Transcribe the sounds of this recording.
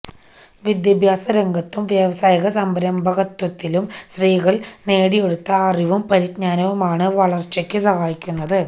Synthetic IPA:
ʋid̪jɐbʱjaːsɐɾeŋɡɐt̪ːumʋjeʋɐsaːjɐɣɐsɐmbɐɾɐmbʱɐɣɐt̪ːwɐt̪ːilumsriːɣɐɭne̞ːɽije̞ɽut̪ːɐːriʋumpɐɾit̪ɲaːnɐʋɐmaːɳɨʋɐɭɐrt͡ɕːɐkʲːɨsɐɣaːjikʲːunːɐðɨ

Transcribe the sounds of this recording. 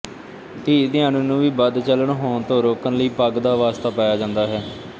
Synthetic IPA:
t̪iːt̪ɪãːnũːnũːʋiːbəd̪t͡ʃələɳɦoːɳt̪õːɾoːkənləiːpəɡd̪aːʋaːst̪aːpaːjaːd͡ʒãːnd̪aːɦɛː

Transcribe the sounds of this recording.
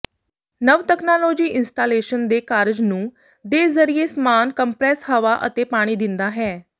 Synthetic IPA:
nəʋt̪ɛːknaːloːd͡ʒiːʔɪnsʈaːleːʃənd̪eːkaːɾd͡ʒnũː | d̪eːzəɾiːeːsmaːnkəmpɾɛːshəʋaːʔə̰t̪eːpaːɽ̃iːd̪ɪnd̪aːɦɛː

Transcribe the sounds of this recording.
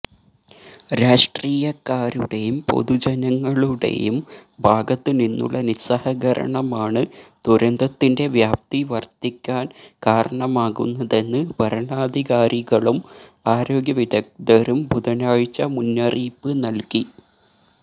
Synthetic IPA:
ɾaːʂʈriːjɐkːaːɾuɽe̞jumpo̞̰ðud͡ʑɐnɐŋːɐɭuɽe̞̰jumbʱaːɡɐt̪ːininːṵɭːɐnisɐhɐɣɐɾʔɐ̰ɳɐmaːɳɨd̪uɾɐnd̪ɐt̪ːinde̞ʋjaːp̚t̪iʋɐrt̪ikʲːaːnkaːɾɐɳɐmaːɣṵnːɐðe̞nːɨʋɐɾɐɳaːd̪ʱiɣaːɾiɣɐɭumaːɾo̞ːɡjɐʋid̪ɐk̚d̪ɐɾumbuðɐnaːɻit͡ɕːɐmunːɐriːpːɨnɐlki

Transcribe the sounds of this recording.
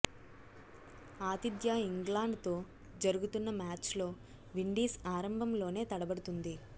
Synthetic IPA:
aːt̪id̪jaːiŋɡlaːɳɖt̪o̞ː | d͡ʒɐɾuɡut̪unːɐmaːt͡ʃlo̞ː | ʋiɳɖiːsaːɾɐmbʱɐmlo̞ːne̞ːt̪ɐɽɐbɐɽut̪und̪i

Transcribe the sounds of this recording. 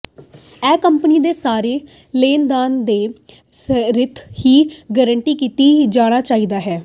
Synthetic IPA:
ɛːkəmpəniːd̪eːsaːɾeː | leːnd̪aːnd̪eː | sɾɪt̪hiːɡəɾəɳʈiːkiːt̪iːd͡ʒaːɽ̃aːt͡ʃaːiːd̪aːɦɛː

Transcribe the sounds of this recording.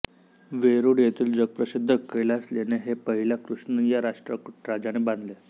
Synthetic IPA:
ʋeɾuːɽjet̪iːld͡zəɡ̚pɾəsid̪ʱːəkːelasleneɦepəɦilakɾuʂɳəjaɾaʂʈɾəkʈɾad͡zañebãnd̪le

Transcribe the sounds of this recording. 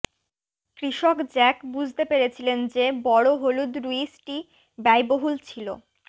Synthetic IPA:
kɾiʃokd͡ʑɛkbud͡ʑʱt̪epeɾet͡ɕʰilend͡ʑebɔɽoɦolud̪ɾuisʈi | bajboɦult͡ɕʰilo̰

